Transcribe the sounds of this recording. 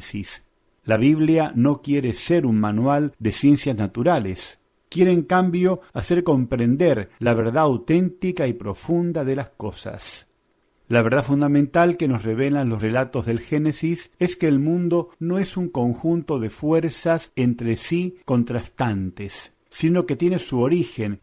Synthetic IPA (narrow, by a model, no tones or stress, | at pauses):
sis | laβ̞iβljano̞kjeɾeseɾunmanwald̪e̞sje̞nsjaznat̪uɾales | kje̞ɾeːŋkambjo̞ase̞ɾko̞mpɾend̪eɾlaβeɾðaːwt̪ent̪ikaipɾo̞fund̪aðelasko̞sa̰s | laβeɾðafund̪amẽnt̪alkeno̞sreβ̞elanlosrelat̪o̞zðe̞lxenesiseskeːlmũnd̪o̞no̞esuŋko̞ŋxunt̪o̞ðe̞fweɾsasent̪ɾesiko̞nt̪ɾast̪ant̪esː | ino̞ke̞t̪je̞nesuoɾixen